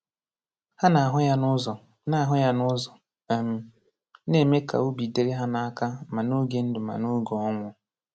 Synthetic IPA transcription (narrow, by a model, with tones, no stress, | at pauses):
ha˦na˨a˨ɦʊ˦ja˦nʊ˦zɔ˨ | na˨a˨ɦʊ˦ja˦nʊ˦zɔ˨ | m̩˨ | ne˨˦˨me˦ka̰˨u˦bi˨de˨ɾe˦ɦa˦na˨a˦ka˦ma˨nu˦ɡe˨˦n̩˦dʊ˨ma̰˨nu˦ɡo˨ɔ˦ŋʷʊ˨